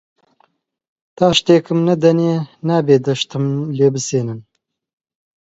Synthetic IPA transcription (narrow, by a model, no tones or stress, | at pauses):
t̪aːʃt̪eːkɨmnɐd̪ɐneːnaːbeːd̪ɐʃt̪ɨmleːbɨseːnɨn